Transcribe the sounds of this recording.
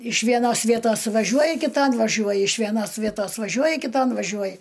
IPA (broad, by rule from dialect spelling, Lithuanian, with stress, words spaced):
ɪʃ ʋʲiɛˈnoːs ˈʋʲiɛtoːs ʋɐˈʒʲuɔjɪ kʲɪˈtɐn ʋɐˈʒʲuɔjɪ ɪʃ ʋʲiɛˈnoːs ˈʋʲiɛtoːs ʋɐˈʒʲuɔjɪ kʲɪtoːn ʋɐˈʒʲuɔjɪ